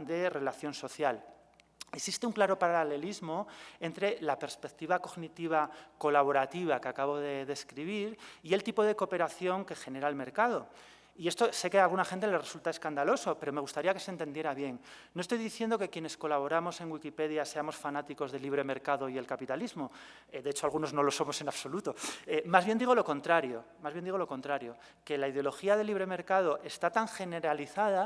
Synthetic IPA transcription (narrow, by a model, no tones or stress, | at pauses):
d̪e̞re̞laθjo̞nso̞θjal | eksist̪euŋklaɾo̞paɾaale̞lizmo̞e̞nt̪ɾe̞lape̞ɾspe̞kt̪iβako̞ɣnit̪iβ̞ako̞laβ̞o̞ɾat̪iβ̞akeakaβo̞ðe̞ðe̞skɾiβ̞iɾie̞lt̪ipo̞ðe̞ko̞pe̞ɾaθjo̞ŋke̞xe̞ne̞ɾaelme̞ɾkað̞o̞ | ie̞st̪o̞se̞kealɣunaxe̞nt̪̬ele̞re̞sult̪ae̞skand̪alo̞so̞pe̞ɾo̞me̞ɣ̞ust̪aɾiake̞sent̪e̞nd̪jeɾaβje̞ŋnːo̞est̪o̞jðiθje̞nd̪o̞ke̞kje̞ne̞sko̞laβo̞ɾamo̞se̞ŋɡwikipe̞ðjase̞amo̞sfanat̪iko̞zðe̞liβ̞ɾe̞me̞ɾkaðo̞ie̞lkapit̪alizmo̞ | d̪e̞et͡ʃoalɣuno̞zno̞lo̞so̞mo̞se̞naβso̞lut̪o̞emazβjend̪iɣ̞o̞lo̞ko̞nt̪ɾaɾjo̞mazβjend̪iɣolo̞ko̞nt̪ɾaɾjo̞ | ke̞laiðjo̞lo̞xiaðeliβɾe̞me̞ɾkað̞o̞ʔe̞st̪at̪aŋxe̞ne̞ɾaliθaða